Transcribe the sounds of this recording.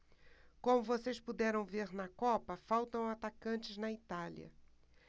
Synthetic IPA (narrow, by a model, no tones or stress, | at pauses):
kõmʊvosespud̪ɛɾɐ̃w̃veɾnɐkɔpɐfawt̪ɐ̃w̃at̪akɐ̃t͡ʃɪznɐit̪aliɐ̰